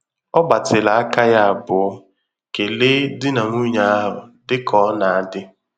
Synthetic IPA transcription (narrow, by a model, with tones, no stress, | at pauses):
ɔ˦ɡ͡ba˨tɪ˨la˨a˦ka˦ja˦a˨bʊ˨˦ | ke˨le˦dɪ˦na˨ŋʷu˦ɲa˦a˦ɦʊ˨dɪ˦kʰɔ˦na˨a˨dɪ˦